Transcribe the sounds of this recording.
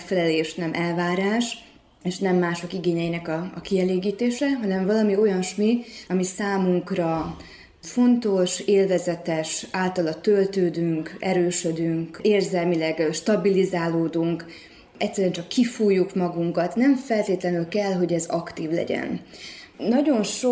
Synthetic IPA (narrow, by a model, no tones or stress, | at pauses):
fɛlɛleːʃnɛmʔɛlvaːɾaːʃ | eːʃnɛmːaːʃo̞kiɡeːɲɛjinɛkɒɒ̰kiɛleːɡiːt̪eːʃɛɦɒnɛɱvɒlɒmio̞jɒnʃmiɒmisaːmuŋkrɒ | fo̞nt̪o̞ʃeːlvɛzɛt̪ɛʃaːlt̪ɒlɒt̪ølt̪øːd̪yŋkɛɾøːʃød̪yŋkeːrzɛlmilɛɡʃt̪ɒbilizaːloːd̪uŋk | ɛcsɛɾyɛnt͡ʃɒkːifuːjːukmɒɡuŋkɒt̪nɛmfɛlt̪eːt̪lɛnylkɛlɦo̞ɟɛzɒkt̪iːvlɛ̰ɟɛ̰n | nɒɟo̞nʃo